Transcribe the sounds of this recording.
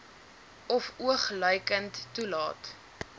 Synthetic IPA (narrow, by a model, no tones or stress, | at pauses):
ɔfuəχlœjkəntːulɑːt